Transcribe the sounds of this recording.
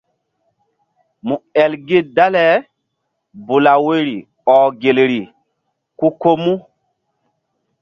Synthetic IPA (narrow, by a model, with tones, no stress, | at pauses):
mu˨ɛ˨lɡe˦da˦lɛ˨˦ | bu˨la˨we˦ɾi˨ | ɔ˨ɡe˨lɾi˨ | ku˦ko˦mu˦